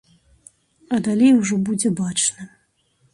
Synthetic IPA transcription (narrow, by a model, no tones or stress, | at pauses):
ɐd̪alʲejwʐɔbud͡zʲɛbat͡ʂnɐ